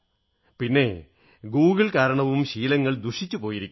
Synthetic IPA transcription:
pinːe̞ | ɡuːɣiɭkaːɾɐɳɐʋumɕiːlɐŋːɐɭd̪uʂit͡ɕːupo̞ːjiɾikʲːu

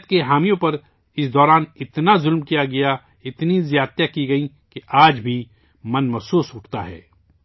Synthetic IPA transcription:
t̪̚keɦaːmijõpɐɾ | ɪsd̪ɔːɾaːnɪt̪nazʊlmkijaɡɐja | ɪt̪nizjaːt̪jakiɡɐi | keʔaːd͡ʒbʱi | mɐnmɐfsuːsʊʈʰt̪a̰ɦɛ̰ː

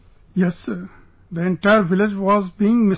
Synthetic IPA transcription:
jɛs | d̪əẽɳʈaɪəɾʋɪlɪd͡ʒʋɔːzbiːɪ̃ŋmɪ

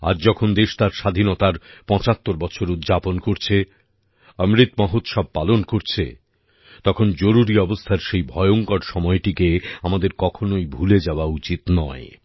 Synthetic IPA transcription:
a̰ɾd͡ʑɔkʰond̪eʃt̪aɾʃad̪ʱinɔt̪aɾpɔ̃t͡ɕat̪ːoɾbɔt͡ɕʰoɾud̪d͡ʑaponkoɾt͡ɕʰe | əmɾit̪mɔɦot̪ʃɔb̚palonkoɾt͡ɕʰḛ | t̪ɔkʰond͡ʑoɾuɾiɔbost̪ʰaɾʃejbʱɔeoŋkɔɾʃɔmɔeʈikeamad̪eɾkɔkʰonoibʱuled͡ʑaoaut͡ɕit̪nɔe

